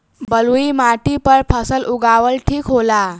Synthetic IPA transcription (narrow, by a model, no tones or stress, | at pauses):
bəluimaʈipəɾpʰəsəlʔuɡaʋəlʈʰiːkɦola